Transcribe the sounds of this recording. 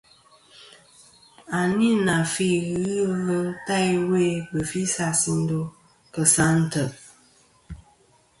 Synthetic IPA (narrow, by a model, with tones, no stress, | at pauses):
a˨ni˦na˨fi˦ɣi˦ɣə˦ta˦jwe˦˨bə˨fi˦sa˦si˦n̩˦do˦ | kə˨sa˦n̩˦tə˨ʔ